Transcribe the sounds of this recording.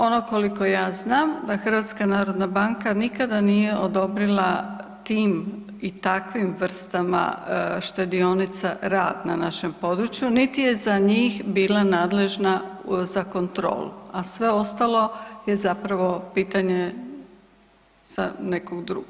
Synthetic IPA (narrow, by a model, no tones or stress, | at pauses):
o̞nokoliko̞jaːznaːmd̪axrʋaːt̪skanaːɾo̞d̪nabaŋkanikad̪anije̞ʔo̞d̪o̞bɾilˠat̪iːm | it̪akʋimʋr̩st̪ama̰ʃt̪ed̪io̞nit̪saɾa̰ːd̪nanaʃe̞mpo̞d̪ɾut͡ʃjunit̪ije̞zaɲiːxbiːlanaːd̪le̞ʒnazako̞nt̪ɾo̰ːlṵasʋe̞o̞st̪alˠo̞je̞zapɾaʋo̞piːt̪aɲe | z̥ane̞koɡd̪ɾṵːɡo